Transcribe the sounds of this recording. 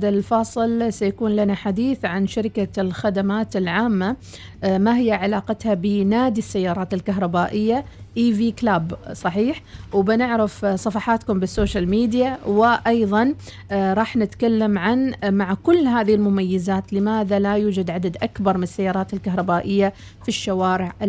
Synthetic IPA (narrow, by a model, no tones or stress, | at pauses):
d̪alfɑːsˤɨlsajakuːnlanaħad̪iːθʕanʃaɾɪkalxad̪amaːt̪ɪlʕaːmːa | maɦɪjːaʕalaːqɑt̪habɪnaːd̪isːajːɑːɾˤɑːt̪ɪlkaɦɾˤɑbaːʔɪjːaʔiːviːklaːbsˤɑħiːħwbɪnɪʕɾɪfsˤɑfɑħɑt̪kʊmbɪsːoːʃalmiːd̪jawɪʔɑjðˤɑn | ɾˤɑːħnɪt̪kalːamʕanmaʕakʊlːɦaːðihɪlmʊmajːɪzaːt̪lɪmaːðalajuːd͡ʒad̪ʕad̪ad̪ʔakbɑɾˤmɪnɪsːajːɑːɾˤɑːt̪ɪlkaɦɾˤɑbaːʔɪjːa | fiʃːawaːɾɪʕʔɪ